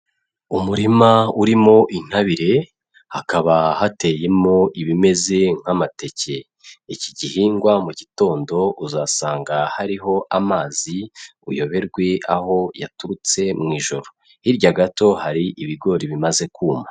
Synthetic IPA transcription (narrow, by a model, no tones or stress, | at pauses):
umuɾimauɾimo̞ʔin̥haβiɾe̞ | hakaβahate̞je̞mo̞iβime̞ze̞ŋ̥hamate̞ce̞ | iciɟihiːŋɡwamuɟito̞ːndo̞uzasaːŋɡahaɾiɦo̞ʔamaːziṵjo̞βe̞ɾɡwe̞ʔaho̞ja̰tuɾut͡se̞mŋiːʒo̞ɾo | hiɾɟaɡato̞haɾiʔiβiɡo̞ɾiβimaze̞kuːma